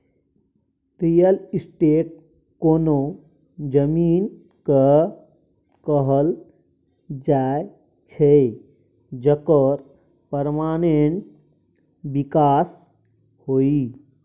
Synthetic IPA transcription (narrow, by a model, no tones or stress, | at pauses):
tijəlisʈeʈ̚ | kono | d͡ʒəmiːn | kə | kəɦəl | d͡ʒae | t͡ʃʰɛ | d͡ʒəkəɾ | pəɾmaːneɳʈ | bikaːs | hoi